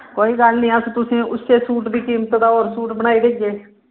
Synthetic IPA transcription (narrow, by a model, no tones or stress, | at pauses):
koːiːɡəlnĩːəst̪ʊsĩːʊsːeːsuːʈd̪iːkiːmət̪d̪aːoːɾsuːʈbəɽ̃aːiːd̪eiɡeː